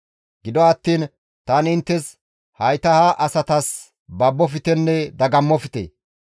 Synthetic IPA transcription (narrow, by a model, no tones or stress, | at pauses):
ɡɪd̪ɔɐt̪ːiːn | t̪ɐːnɪnt̪ːɛs | hɐjt̪ɐhaʔɐsɐt̪ɐs | bɐbːɔfɪt̪ɛnːɛd̪ɐɡɐmːɔfɪ̥t̪ḛː